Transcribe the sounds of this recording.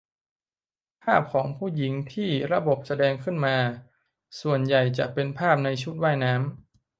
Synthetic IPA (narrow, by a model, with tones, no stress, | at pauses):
pʰaː˥˩p̚kʰɔː˩˦ŋpʰuː˥˩ji˩˦ŋt̪ʰiː˥˩ɾa˧bo˨˩p̚sa˧dɛː˧ŋkʰɯ˥˩nmaː˧ | su˨˩ənja˨˩jt͡ɕa̰˨˩pe˧npʰaː˥˩p̚na˧jt͡ɕʰu˦˥˩t̪̚waː˥˩jnaː˦˥m